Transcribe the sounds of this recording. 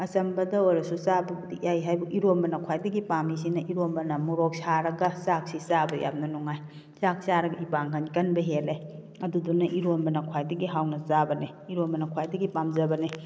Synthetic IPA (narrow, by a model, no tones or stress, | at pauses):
ɐsɐmbɐdɐojɾɐsusabɐdijajɦajbɐiɾombɐnɐkʰwajdɐɡipamisinɐʔiɾombɐnɐmuɾok̚saɾɐɡɐsak̚sisabɐjʔa̰p̚nɐnuŋaj | sak̚saɾɐɡɐipaŋkʰankɐnbɐɦele | ɐdudunːɐʔiɾombɐnɐkʰwajdɐɡiɦawnɐzabɐne | iɾombɐnɐkʰwajdɐɡipamzɐbɐne